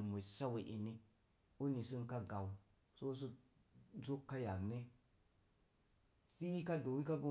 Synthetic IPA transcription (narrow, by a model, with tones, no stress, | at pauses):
mo˨sa˦we˨ʔi˨ni˦ | u˦ni˨s̬ɨ˦nka˦ɡa˨w | so˦s̬u˦ | zu˦kːa˦ja˨ŋne˦ | si˦i˦ka˦do˨wi˦ka˦ɡo˦